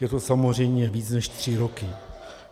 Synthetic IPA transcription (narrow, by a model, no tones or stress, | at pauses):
jɛt̪osamozr̝ɛjmɲɛviːt͡snɛʃt̪r̝̥ɪɾokɪ